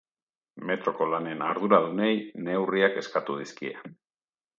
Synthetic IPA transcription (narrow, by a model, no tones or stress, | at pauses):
me̞t̪ɾo̞ko̞lane̞naɾðuɾaðune̞jne̞wriake̞skat̪uð̞iskiḛ